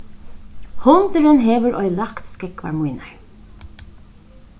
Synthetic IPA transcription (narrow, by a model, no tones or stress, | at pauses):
hʊnt̪əɾənɦeːʋəɾʔɔ̰jlakt̪skɪkʋa̰ɹmujnaɹ